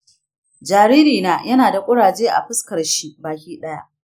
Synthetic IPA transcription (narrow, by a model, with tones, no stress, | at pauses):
d͡ʒaː˨ɾiː˦ɾiː˨naː˦jɐ˦naː˨da˨kʷʼʊ˦ɽaː˨d͡ʒeː˦ʔa̰˨ɸʊ˦skɐ˨rʃi˦baː˨kʲiː˦ɗɐ˦ja̰˦ʔ